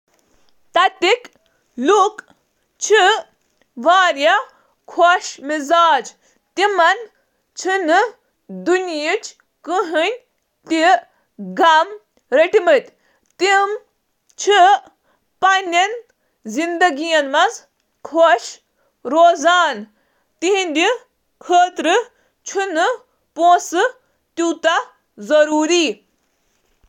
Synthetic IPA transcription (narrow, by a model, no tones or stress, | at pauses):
t̪ɐt̪ik | luk | t͡ʃʰi | ʋaːɾjɐ | kʰoʃmizaːd͡ʒ | t̪imɐn | t͡ʃʰinɨ | d̪unjit͡ʃ | kɨɦɨnʲ | t̪i | ɡɐm | ɾɐʈimɨt̪ʲ | t̪im | t͡ʃʰi | pɐnʲɐn | zind̪ɐɡijɐnmɐz | kʰoʃ | ɾoːzaːn | t̪iɦĩnʲd̪ʲi | kʰəːt̪ɾɨ | t͡ʃʰinɨ | poːsɨ | t̪uːt̪a | zɐɾuːɾiː